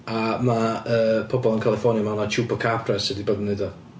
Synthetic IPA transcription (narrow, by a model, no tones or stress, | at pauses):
amaəːpʰɔbɔlˠənkʰalˠɛfɔnjamanat͡ʃʰuːpʰɔkʰapʰrɛsɛdibədnedɔ